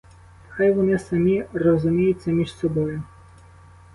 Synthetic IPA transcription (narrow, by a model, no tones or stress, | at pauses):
xajʋɔnɪsɐmʲirɔzʊmʲijʊt͡sʲːɐmʲiʃsɔbɔjʊ